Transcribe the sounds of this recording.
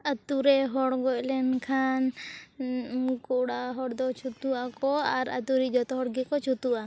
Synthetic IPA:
ət̪uɾɛɦɔɽɡɔclɛnkʰan | kuʔɽaɦɔɽd̪ɔt͡ʃʰut̪uakɔaɾə̰t̪uɾid͡ʒɔt̪ɔɦɔɽɡɛkɔt͡ʃʰut̪uʔa

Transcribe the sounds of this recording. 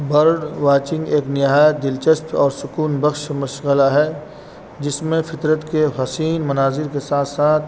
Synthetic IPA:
bɐɾɖʋaːt͡ʃɪ̃ŋɡeːknɪɦaːjət̪̚d̪ɪlt͡ʃəst̪ɔːɾsʊkuːnbəxʃmɐʃɣəlaɦɛ | d͡ʒɪsmẽfɪt̪ɾət̪keɦɐsiːnmɐnaːzɪɾkesaːt̪ʰsaːt̪ʰ

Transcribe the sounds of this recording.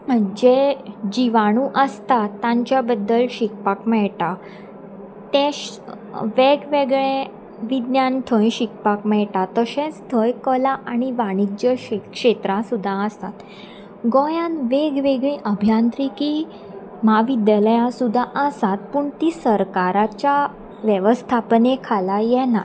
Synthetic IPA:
d͡ʑed͡ʑiʋaɽ̃ũːʔəst̪at̪ːãɲt͡ɕjabəd̪ːəlɕik̚pakmɛɭʈa | t̪ẽɕ | ʋeɡʋeɡɭẽ | ʋid̪njanʈ̪ʰəjɕik̚pakmɛɭʈat̪əɕẽt͡st̪ʰəjkəlaʔaniʋaɽ̃ik̚d͡ʑəkʂet̪ɾãsud̪ʱːaəst̪at̪ | ɡɔ̃jãnʋeɡʋeɡɭĩʔəbʱjant̪ɾiki | maʋid̪jaləjãsud̪ʱːaʔəsat̪̚puːɳt̪iːsəɾkaɾat͡ɕja | ʋjəʋəst̪ʰapnekʰalajɛna

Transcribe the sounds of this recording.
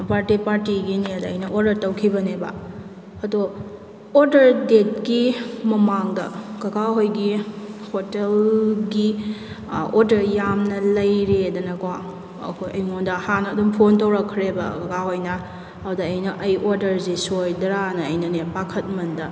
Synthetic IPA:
paɾtipaɾtiɡiniɐdɐɐjnɐʔoɾdɐɾtɐwkʰibɐnebɐ̰ | ɐdo | oɾdɐɾdet̚kimɐmaŋdɐ̰kɐɡaɦojɡihotelɡi | oɾdɐɾjamnɐlɐjɾedɐnɐkwa̰ | kʰojɐjŋondɐhanɐːdumpʰontɐwɾɐkʰːɾebɐ̰kɐkaɦojnɐ | hawdɐːjnɐʔɐjoɾdɐɾzesojdɾanɐːjnɐnepakʰɐt̚mɐndɐ

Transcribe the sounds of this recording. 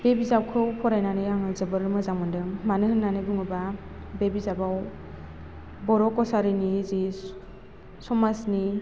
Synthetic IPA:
bebizawkʰɯwpʰɔɾajnanɯjaŋɯzɯbɯɾmazaŋmɯndɯŋmanɯɦɯnːanɯbɯŋɯba | bebizabaw | bɔɾɔkːɔsaɾɯnizi | sɔmasni

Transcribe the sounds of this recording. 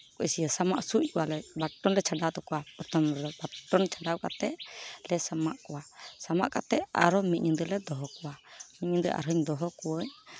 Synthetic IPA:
kɔsijəsama̰ʔsuc̚kɔwalɛbaʈːɔnlɛt͡ʃʰaɖat̪ɔkɔwapɔɾt̪ʰɔmɾɔbaʈːɔnt͡ʃʰaɖawka̰t̪ɛʔlɛsamaʔkɔwasama̰ʔkat̪ɛʔa̰ɾɔmit̪̚ɲud̪əlɛd̪ɔɦɔkɔwamiɲud̪əʔa̰ɾɦɯɲd̪ɔɦɔkɔwəɲ

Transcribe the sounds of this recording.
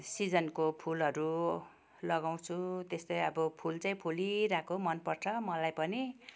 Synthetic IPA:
sid͡zʌnkopʰulɦʌɾu | lʌɡaw̃t͡sʰut̪est̪ʌjʌbʌpʰult͡saĩpʰuliɾakʰomʌnpʌrt͡sʰʌmʌlajpʌni

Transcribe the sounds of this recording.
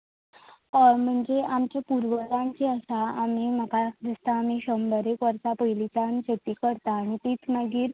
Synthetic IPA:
m̤əɳd͡zeamt͡ɕjapuɾʋəlãnt͡seəsaːmim̤əkad̪ist̪aːmiɕəmbəɾekʋəɾt͡sapəjlit͡sant͡ɕet̪iːkəɾt̪aːɽ̃it̪iːt̪ʰnaɡiːɾ

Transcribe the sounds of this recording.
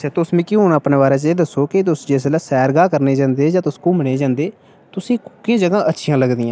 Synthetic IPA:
sɛːt̪ʊsmĩːkiːɦoːnaːəpneːbaːɾẽːt͡ʃeːd̪əsːoːkɪt̪̬ʊsd͡ʒeːs̬laːsɛːɾɡaːkəɾneːd͡ʒãːnd̪eːd͡ʒãːt̪ʊskũːmɪɽ̃eːd͡ʒãːnd̪eː | t̪ʊsĩːkkɪjãːd͡ʒəɡãːʔətːʃʰɪjãːləɡd̪iːãː

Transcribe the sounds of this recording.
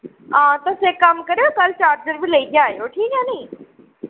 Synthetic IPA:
ɦãːt̪ɐseːkɐmkɐɾejokɐlt͡ɕaːɾd͡ʑəɾbʱɪlɐik̪jaːɦijoʈʰiːkɦɛ̃nĩː

